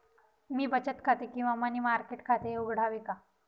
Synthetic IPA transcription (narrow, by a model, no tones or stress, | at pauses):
miːbət͡ɕət̪kʰat̪ekĩw̃ʋamanimaɾkeʈkʰat̪euɡɽ̤ʱaʋika